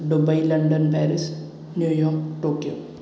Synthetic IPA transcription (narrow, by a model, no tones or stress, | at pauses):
ɖʊbɐilɐ̃ɳɖənpɛːɾɪs | njuːjɔːkʈoːkijoː